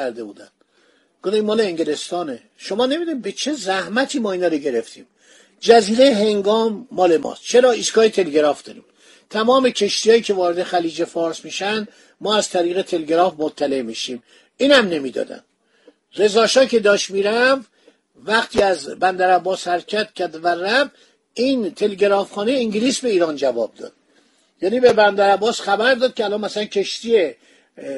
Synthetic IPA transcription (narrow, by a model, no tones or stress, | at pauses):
æɾd̪ebṵːd̪æ̰n | ɡ̥od̪imːɒːleːŋɟele̞st̪ɒːne | ʃo̞mɒːne̞mid̪unibet͡ʃʰe̞zæhmæt̪ʰiːmɒːinɒːɾoɟe̞ɾe̞ft̪ʰḭːm | d͡ʒæziːɾe̞jeɦe̞ŋɡɒːmːɒːle̞mɒ̰ːst̪t͡ʃʰe̞ɾɒːiskɒːjet̪ʰe̞leɡeɾɒːfd̪ɒ̰ːɾḭːm | t̪ʰæmɒːme̞cʰe̞ʃt̪iːjɒːjiːcʰe̞vɒːɾed̪e̞xæliːd͡ʒe̞fɒːɾsmiːʃænd̪ | mɒːæz̥t̪ʰæɾiːɣe̞t̪ʰe̞leɡeɾɒːfmot̪ʰːæle̞miːʃiːm | iːnhæmne̞mid̪ɒ̰d̪æ̰nd̪ | re̞zɒːʃɒːcʰe̞d̪ɒːʃmiːɾæv | væχt̪ʰiːæzbænd̪æɾæbːɒːshæɾcʰæt̪cʰæɾd̪væræb | int̪ʰe̞leɟeɾɒːfχɒːneiŋɟiliːsbeiːɾɒːnd͡ʒævɒ̰ːb̚d̪ɒ̰ːd̪̥ | jæːniːbebænd̪æɾæbːɒːsχæbæɾd̪ɒːd̪̥̚cʰeælɒːnmæsælæncʰe̞ʃt̪ie